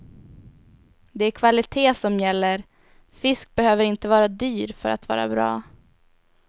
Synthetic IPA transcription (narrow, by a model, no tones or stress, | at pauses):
d̪ɛæɾkʰvalɪt̪ʰeːsɔmjɛlːəɾ | fɪsk̚bɛhøːvəɾɪnt̪əvɑːɾad̪yːɾfœ̰ɾa̰t̪vɑ̰ːɾa̰bɾɑ̰ː